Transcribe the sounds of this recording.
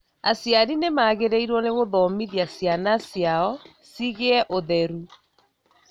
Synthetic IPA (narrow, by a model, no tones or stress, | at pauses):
asjaɾinemaːɣeɾeiɾwɔneɣoðɔmiðiasjanasjaɔ | siɣeɛʔoðɛɾu